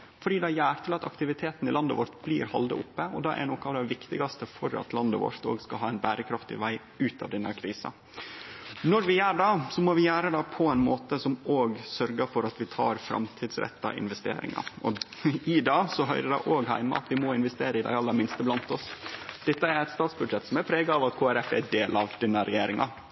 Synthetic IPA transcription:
fɔɖiːd̪ɛæjæːɾt̪ʰɪlɑt̪ɑkt̪ɪʋɪt̪ʰeːt̪n̩ɪlɑnd̪əʋɔɾt̪blḭːɾhɑ̰ld̪ə̰ʔʊpːəɔd̪ɑːʔæ̰ɾnoːkɑɑʋd̪ɛɪʋɪkt̪ɪɡɑst̪əfɔɾɑ̰t̪lɑnd̪əʋo̰ɾt̪o̰ːɡskɑlɦɑːæɪnbæːɾəkʰɾɑft̪ɪ̰ʋæɪ | ʉːt̪ɑ̰ʋd̪ɛnːəkʰɾiːsɑ̰ | nɔɾʋɪjæːɖɑːsɔmɔːʋɪjæːɾəd̪ɑːpʰɔæɪnmoːt̪əsɔmoːɡsœɾɡəfɔɾɑt̪ʋɪt̪ʰɑːɾfɾɑ̰mt̪ʰiːd̪sɾɛ̰t̪ːɑ̰ʔɪ̰nʋɛst̪ḛːɾɪ̰ŋɑ̰ʔɔɪd̪ɑːsɔɦœʏɾədɑʔoːɡɦæɪmə̰ʔɑ̰t̪ʋɪmɔɪnʋɛst̪eːɾəɪd̪æ̰ɪɑlːəɾmɪnst̪əblɑnt̪ɔsd̪̥ɛt̪ːəæɾɛt̪st̪ɑːt̪sbʉd̪ʂɛt̪ːsɔmæɾpʰɾeːɡɑɑʋɑt̪kʰoːæɾɛfɛɖeːlɑʋd̪̥ɛnːəɾɛjeːɾɪŋɑ

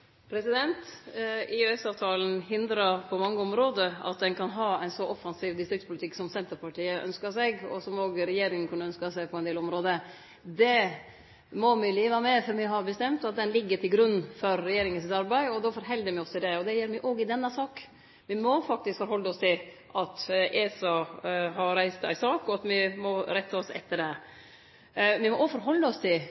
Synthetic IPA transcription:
pʰɾɛsɪd̪ɛnt̪ɪøɛsɑːʋt̪ʰɑːln̩hɪnd̪ɾɑɾpʰɔmɑŋːəɔmɾoːd̪əɑ̰t̪̚d̪ɛnkʰɑnɦɑːæɪnsɔʔɔfɑnsiːʋd̪ɪst̪ɾɪk̚t̪spʰʊlɪt̪ʰɪkːsɔmsɛnt̪əɾpɑʈiːəʔœ̰nskɑsɛɡɔ̰sɔmoːɡɾɛjeːɾɪŋənkʰʉnːəœnskɑsæɪpʰɔɛnd̪eːlɔmɾoːd̪ə | d̪ɛ | mɔmɪliːʋəmɛfɔɾmɪɦɑbəst̪ɛmt̪ɑt̪̚d̪ɛnlɪɡːət̪ɪlɡɾʉnːfɔɾːɛjeːɾɪŋəns̬ɪt̪ɑɾbæɪɔd̪ɔfɔɾɦɛld̪əɾmɪɔst̪ɪd̪ɛɔd̪ɛjeːɾmɪʔoːɡɪd̪ɛnːɑsɑːk | ʋɪmɔfɑk̚t̪ɪskfɔɾhɔlːəɔst̪ʰɪl | ʔɑt̪ʔesɑɦɑɾɾæɪst̪æ̰ɪsɑːkɔɑt̪mɪmɔɾɛt̪ʰːəɔsɛ̰t̪ːəɖɛ | ʋɪmɔofɔɾɦɔlːəɔst̪ʰɪl

